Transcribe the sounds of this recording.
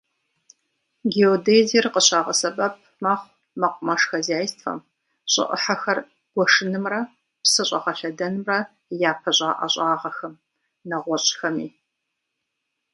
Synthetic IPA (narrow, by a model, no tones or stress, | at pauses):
ɡioːdejzirqəɕaːʁɐsɐbʼɐp̚ʰmaχʷ | mɐqʷʼʊmɐʂxɐzaːjstʰfɐ̰m | ɕʼɪ̰ʔə̰ħaxɐr | ɡ̥ʷɔʂɨnɨmrɐ | psɐɕʷʼɐ̰ʁɐɬɐdɐnɨmrɐ | jaːpʰɐɕʼaːʔɐ̰ɕʼaːʁɐxɐm | nɐʁʷɔɕʼxɐmiː